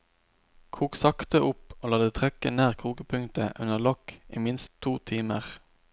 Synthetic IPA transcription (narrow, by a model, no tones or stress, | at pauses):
kʰuːksɑkt̪əʔʊpoːlɑːd̪ət̪ʰʁɛkəneːʁkʰuːkəpʰʉŋt̪əʔʉnəʁlɔkḭːmɪnst̪ʰːuːt̪ʰiːmə̰ʁ